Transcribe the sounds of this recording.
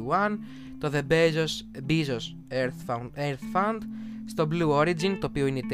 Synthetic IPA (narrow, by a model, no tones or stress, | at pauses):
ɐn | t̪o̞ðebezosbizos | eɾθeɾθfɐnd̪st̪o̞bluoɾid͡zint̪o̞ːpioinet̪